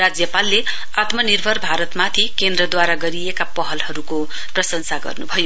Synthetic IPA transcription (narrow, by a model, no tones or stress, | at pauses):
rad͡zjʌpalːe | at̪mʌnirbʱʌrbʱaɾʌt̪mat̪ʰikend̪rʌd̪waɾaɡʌɾiekapʌɦʌlhʌɾuko | prʌsʌnsaɡʌ̰rnubʱʌjo